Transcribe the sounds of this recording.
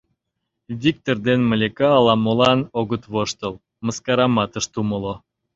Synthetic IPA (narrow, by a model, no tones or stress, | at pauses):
βʲik̚t̪ord̪enməlʲekɑːlɑmolɑnoɣət̪βoʃt̪əl | məskɑɾɑmɑt̪əʃt̪uməlo